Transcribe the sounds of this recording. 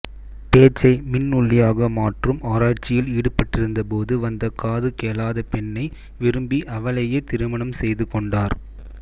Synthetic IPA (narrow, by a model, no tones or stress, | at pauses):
peːt͡ʃːɐɪmɪnːʊɭːɪjaːɣɐmaːʈrɯmaːɾaːʈ̚t͡ʃːɪjɪliːɽɯpːɐʈːɪɾɯnd̪ɐpoːðɯʋɐnd̪ɐkaːðɯkeːlaːðɐpɛɳːɐɪ | ʋɪɾɯmbiʔɐʋɐɭɐjet̪ɪɾɯmɐɳɐmsɛjðɯkɔɳɖaːɾ